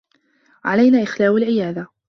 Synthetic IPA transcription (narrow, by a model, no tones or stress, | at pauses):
ʕalajnaːʔɪxlaːwalʕɪjaːða